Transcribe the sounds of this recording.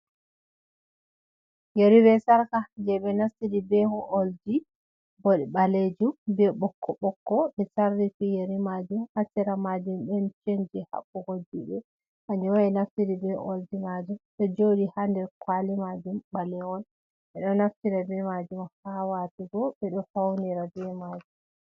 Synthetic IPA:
jeɾibɛsaɾkad͡ʒɛbɛnaftiɾibɛhɔʔoldi | boɗiɓaled͡ʒumbɛɓɔkʰːɔɓɔkːɔbɛsaɾːifijeɾimad͡ʒumhatːiɾamad͡ʒumbɛnt͡ʃeɲd͡ʒiha̰ɓːuhodːiɓɛ | ʔaɲɔwaɛnaftiɾibɛʔo̰ldimad͡ʒumɗɛd͡ʒodihandɛɾkwalimad͡ʒumɓalɛwɔn | ɓɛɗɔnaftiɾabɛmad͡ʒumhawatiɡɔɓɛɗɔhawniɾabɛmad͡ʒum

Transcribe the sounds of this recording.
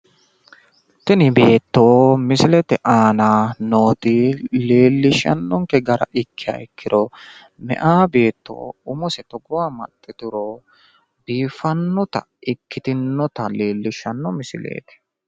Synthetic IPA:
t̪ɛnɪbe̞ːt̪ːoːmɪsɪlɛt̪ɛʔaːnaːnoːt̪ɪle̞ːlːɪʃɐ̰nːɔŋkɛɡɐɾɐ̰ʔɪkːɪja̰ɪkːɪɾɔ | mɛ̰ʔaːbe̞ːt̪ːo̰ːʊmɔsɛt̪ɔɡʊwaːmɐ̰t̪ʼːɪt̪ʊɾɔ | biːfɐnːɔt̪ɐ̰ | ʔɪkːɪt̪ɪnːɔt̪ɐleːlːɪʃɐnːɔmɪsɪlḛːt̪ɛ̥

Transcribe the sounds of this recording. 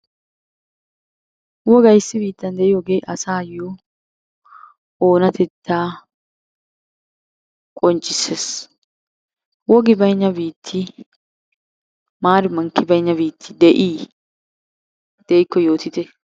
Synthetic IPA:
wɔɡɐjsːɪbiːt̪ːɐnd̪ɛʔɪjɔːɡeːʔɐsaːjɔ | oːnɐt̪ʰɛt̪ːaː | kʼɔnt͡ʃʼːɪsːes | wɔɡɪbɐjɲːɐbiːt̪ʰːɪ | maːɾɪmɐŋkːɪbɐjɪɲːɐbiːt̪ʰːɪd̪ɛʔiː | d̪̥ɛɪkːɔjo̞ːt̪ɪt̪ɛ

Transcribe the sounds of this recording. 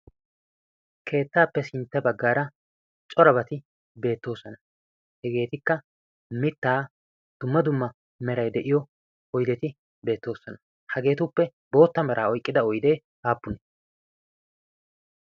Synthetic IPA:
kʰe̞ːt̪ːaːpːɛsɪnt̪ːɐbɐɡːaːɾɐ | t͡ʃʼɔɾɐbɐt̪ɪ | be̞ːt̪ːo̞ːsɔnɐ | hɛɡe̞ːt̪ɪkːɐ | mɪt̪ːaː | d̪̥ʊmːɐd̪ʊmːɐ | mɛɾɐjd̪ɛʔɪjɔ | ɔjd̪ɛt̪ɪ | be̞ːt̪ːo̞ːsɔnɐ | hɐɡe̞ːt̪ʊpːɛ | bo̞ːt̪ːɐmɐɾʔaːɔjkʼːɪd̪ɐɔjd̪e̞ː | aːpːʊnɛ

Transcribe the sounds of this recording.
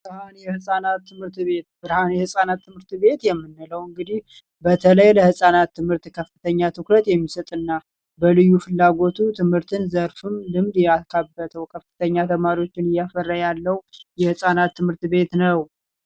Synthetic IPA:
ɾhanjɛhɨsʼanat̪ːɨmhɨɾt̪βe̞t̪bɨɾhanjɛhɨsʼanat̪ːɨmhɨɾt̪βe̞t̪jɛmːɨnːɨləwɨŋɡɨd̪ih | bət̪ʰələjləhɨsʼanat̪ːɨmhɨɾt̪kʰəfːɨt̪ʰəɲːat̪ʰɨkɾət̪jɛmːisət̪ʼɨnːa | bəlɨjːufɨlːaɡo̞t̪ʰut̪ʰɨmhɨɾt̪ʰɨnzəɾfɨmlɨmd̪jakʰabːət̪ʰəwkʰəfːɨ̥t̪ʰəɲːat̪ʰəmaɾiwo̞t͡ʃːɪnɨjafərːajalːəwjɛhɨsʼanat̪ʰːɨmhɨɾt̪be̞t̪nəw

